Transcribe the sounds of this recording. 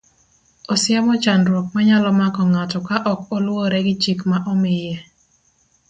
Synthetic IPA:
ɔsɪamɔt͡ʃanɾwok̚maɲalɔmakɔŋatɔkaʔɔkɔlwoɾɛɡɪt͡ʃikmaʔɔmɪjɛ

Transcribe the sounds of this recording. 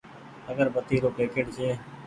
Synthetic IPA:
əɡəɾbət̪iːɾoːkɾeːkeːʈseː

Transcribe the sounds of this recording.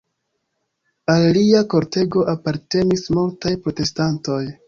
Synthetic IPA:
alːiako̞ɾte̞ɡo̞ʔapaɾte̞nismultajpɾo̞te̞stanto̞j

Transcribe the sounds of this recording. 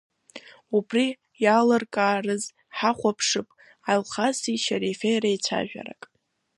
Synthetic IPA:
ubri | jalɨrkʼaːrɨz | ħaχʷapʰʂɨpʼ | alχasiʃaɾifejrait͡sʷʰa̰ʒᶣa̰ɾa̰kʼ

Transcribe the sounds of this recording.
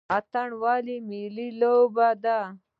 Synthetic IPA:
at̪aɳwaːlimililobad̪a

